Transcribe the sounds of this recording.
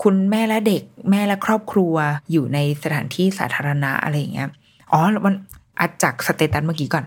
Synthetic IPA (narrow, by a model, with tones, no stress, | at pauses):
kʰu˧nmɛː˥˩lɛ˦˥de˨˩k̚mɛː˥˩lɛ˦˥kʰɾɔː˥˩p̚kʰɾu˧ɐjuː˨˩na˧jsa˧t̪ʰaː˩˦nt̪ʰiː˥˩sa̰ː˩˦t̪ʰaː˧ɾa˧na˦˥ʔa̰˧ɾa˧jːa˨˩ŋʔi˦˥ɐ | ʔɔː˨˦lma˧nʔa˨˧˩t͡ɕaː˨˩k̚sa˧t̪e˨˩t̪ːa˧nmaː˥˩kiː˨˦kɔː˨˩n